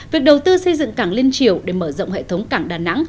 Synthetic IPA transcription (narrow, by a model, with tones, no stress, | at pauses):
vi˨˩ək̚ɗə˨˩wt̪ɨ˧sə˧jzɨ̰˧˨ŋkaː˧˩ŋli˧ənt͡ɕi˧˩əwɗe˧˩məː˧˩zɔ̰˧˨ŋ͡mɦḛ˧˨t̪ʰə˨˦wŋ͡mkaː˧˩ŋɗaː˨˩na̰˧˥ŋ